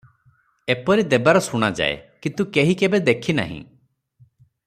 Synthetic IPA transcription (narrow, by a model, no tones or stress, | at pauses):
epɔɾid̪ebaɾɔsuɽ̃ad͡ʒa̰ḛkint̪ukeɦikebed̪ekʰina̰ɦḭ̃